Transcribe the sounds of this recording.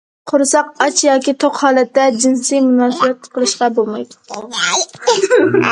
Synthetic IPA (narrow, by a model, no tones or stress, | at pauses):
qʰʊɾsɑqɑt͡ʃʰjɒːkʲit̪ʰoqhɑːlˠæt̪ːɛd͡ʒɪnsɨjmunɑːsɨbɛt̪qʰəlˠɨʃqɑbolˠmɑjd̪ʊ̥